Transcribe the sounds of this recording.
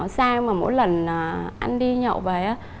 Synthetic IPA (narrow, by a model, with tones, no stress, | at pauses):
saː˧ŋmaː˨˩mo̰˧˥jlə˨˩naː˨˩ʔa˧jŋɗi˧ɲɔ̰˧˨wve˨˩ʔaː˨˦